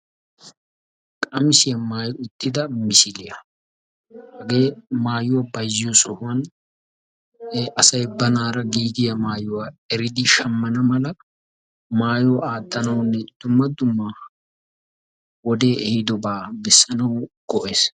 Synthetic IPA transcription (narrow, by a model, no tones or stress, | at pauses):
kʼɐmɪsɪjɐmaːjʊt̪ʼːɪd̪ɐmɪsɪlɪjɐ | hɐɡe̞ːmaːjʊwɐbɐjjɔsɔhʊwɐn | ɐsɐjbɐnaːɾɐɡiːd̪ɪjɐmaːjʊwaːɛɾɪd̪ɪʃɐmːɐnɐmɐlɐ | maːjɔaːd̪ːɐnɐwnːɛd̪̥ʊmːɐd̪ʊmːaː | wɔd̪e̞ːʔɛhɪd̪ɔbaːbɛsːɐnɐwɡ̥ɔʔeːs